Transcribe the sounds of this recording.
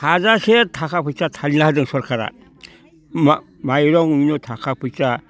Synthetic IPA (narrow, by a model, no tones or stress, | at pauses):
hazasetʰakʰapʰɯjsatʰalilahdɯŋsɔɾkʰaɾa̰ | ma | majɾɔŋminɔtʰakʰapʰɯjsa